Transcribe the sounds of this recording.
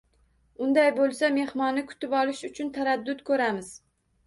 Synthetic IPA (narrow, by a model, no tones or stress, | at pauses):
ʊnd̪ajbolˠsame̞hmɒnːɪkʰʊ̥t̪ɪpɒlˠɪʃʊt͡ʃʰʊnt̪ʰaɾad̪ːʊt̪kʰɵɾamɪz̥